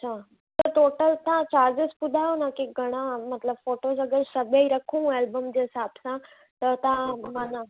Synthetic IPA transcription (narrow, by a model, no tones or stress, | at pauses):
ɐɕʰaː | t̪ɐʈoːʈəlt̪ɐãt͡ɕaːɾd͡ʑɪspʊd̪ʱaːjonakeɡʱɐɽ̃ãmɐt̪ləbfoːʈoːzɐɡəɾsɐbʱeiɾɐkʰũeːlbəmd͡ʑeːɦɪsaːbsã | t̪ɐt̪ɐãmaːna